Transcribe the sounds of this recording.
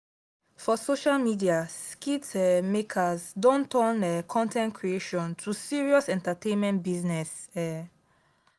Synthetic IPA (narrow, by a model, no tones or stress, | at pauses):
fɔsoʃalmidiaskitɛmekʰazdõntɜnɛkʰɔ̃ntʰɛ̃ntkʰɹieʃɔ̃ntʰusiɹiɔsɛ̃ntatẽnmɛ̃ntbiznɛsɛ